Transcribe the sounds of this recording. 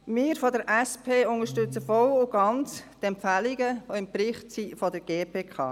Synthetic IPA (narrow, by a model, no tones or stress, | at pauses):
mɪːɾfɔdəɾʔɛspʰeːʊŋəʃtʏt͡səfɔwʊɡ̥ɑnt͡st̪ɛmpfæliɡəoɪmpɾɪχtsifɔdəɾɡ̥eːpʰeːkʰɑ̰ː